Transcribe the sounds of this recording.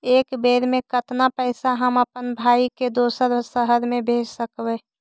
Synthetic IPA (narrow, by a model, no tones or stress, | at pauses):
eːkbeːɾmẽkət̪napəɪsaɦəməpənbʱaːiked̪oːsəɾsəɦəɾmẽbʱeːd͡ʒsəkbɛ